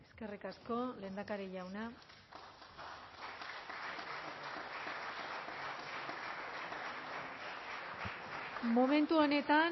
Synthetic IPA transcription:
eske̞rikasko̞le̞ːnd̪akaɾeʝawna | mo̞me̞nt̪uone̞t̪a

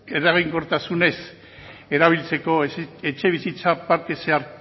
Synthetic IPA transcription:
eraɣiŋko̞ɾt̪asune̞s | e̞ɾaβ̞ilt͡se̞ko̞et͡ʃe̞βisit͡sapaɾt̪e̞se̞aɾ

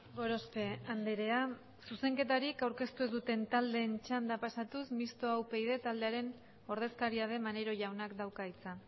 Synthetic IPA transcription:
ɡo̞ɾo̞spe̞and̪eɾe̞a | suse̞ŋke̞t̪aɾikawɾke̞st̪uezd̪ut̪e̞nt̪ald̪e̞ːnt͡ʃand̪apasat̪usmist̪o̞awpe̞ið̞e̞t̪ald̪e̞aɾe̞n | o̞ɾð̞e̞skaɾiað̞e̞mane̞ɾo̞ʝawnakd̪awkait͡sa

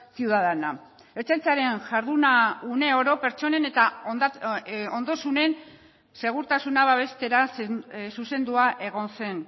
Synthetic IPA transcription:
siuwðaðena | eɾt͡sant͡saɾe̞nʝaɾðunaune̞o̞ɾo̞pe̞ɾt͡ʃo̞ne̞net̪a | ond̪o̞sune̞n | se̞ɣ̞uɾt̪asunaβaβ̞e̞st̪e̞ɾassuse̞nd̪uaʔe̞ɣ̞o̞nse̞n

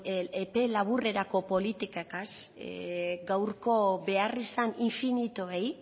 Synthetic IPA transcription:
epe̞laβ̞ure̞ɾako̞po̞lit̪ikakas | ɡawɾko̞be̞arisaniɱfinit̪oe̞j

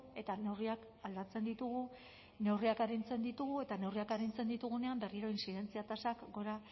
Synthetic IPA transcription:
e̞t̪ane̞wriak | ald̪at͡se̞nd̪it̪uɣ̞u | ne̞wriakaɾint͡se̞nd̪it̪uɣue̞t̪ane̞wriakaɾint͡se̞nd̪it̪uɣ̞une̞ambe̞riɾo̞insiðe̞nt͡siat̪asakɡo̞ɾa

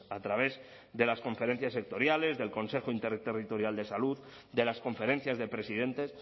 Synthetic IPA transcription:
at̪ɾaβ̞e̞z | ðe̞lasko̞ɱfe̞ɾe̞n̟θjasːe̞k̚t̪o̞ɾjale̞zðe̞lko̞nse̞xoint̪eɾt̪erit̪o̞ɾjald̪e̞saluð | d̪e̞lasko̞ɱfe̞ɾe̞n̟θjazðe̞pɾesiðe̞nt̪e̞s

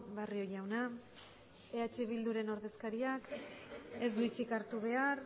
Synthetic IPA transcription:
βario̞ʝawna | eat͡ʃeβ̞ild̪uɾe̞no̞ɾðe̞skaɾiak | e̞zd̪uit͡sikaɾt̪uβe̞aɾ

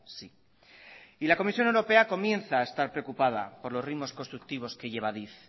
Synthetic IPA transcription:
si | ilako̞misjo̞ne̞wɾo̞pe̞ako̞mjẽ̞nθaːest̪aɾpɾe̞okupaða̰po̞ɾlo̞srimo̞sko̞st̪ɾuk̚t̪iβo̞ske̞ʝe̞β̞aðiθ

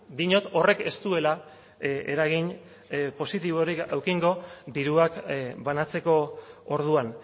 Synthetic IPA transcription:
d̪iɲo̞t̪o̞re̞ke̞st̪ue̞la | ḛɾaɣ̞iɲ | po̞sit̪iβ̞o̞ɾikawkiŋɡo̞d̪iɾuakbanat͡se̞ko̞oɾð̞uan

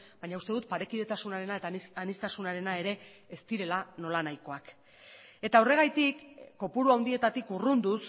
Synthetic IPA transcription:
bajɲaust̪eðut̪̚paɾe̞kiðe̞t̪asunaɾe̞naet̪anist̪asunaɾe̞nae̞ɾe̞ːst̪iɾe̞lano̞lanajko̞ak | e̞t̪aore̞ɣ̞ajt̪ikːo̞puɾuawnd̪ie̞t̪at̪ikurund̪us

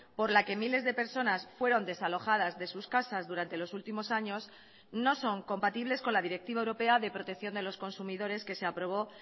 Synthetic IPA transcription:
po̞ɾlake̞mile̞zðe̞pe̞ɾso̞nasfwe̞ɾo̞nd̪e̞salo̞xað̞azðe̞suskasazðuɾant̪e̞lo̞sult̪imo̞saɲo̞s | no̞so̞ŋko̞mpat̪iβle̞sko̞nlaðiɾe̞k̚t̪iβaewɾo̞pe̞aðe̞pɾo̞t̪ekθjo̞nd̪e̞lo̞sko̞nsumiðo̞ɾe̞ske̞se̞apɾo̞β̞o̞

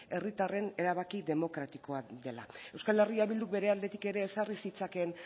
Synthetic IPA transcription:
e̞rit̪are̞ne̞ɾaβakiðe̞mo̞kɾat̪iko̞aðe̞la̰e̞wskale̞riaβild̪uk̚be̞ɾe̞ald̪e̞t̪ike̞ɾe̞ːsarisit͡sake̞n

